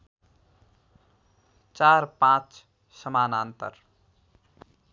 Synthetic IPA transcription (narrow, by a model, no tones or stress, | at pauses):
t͡ʃaɾpãt͡ʃ | səmaːnant̪ə̰ɾ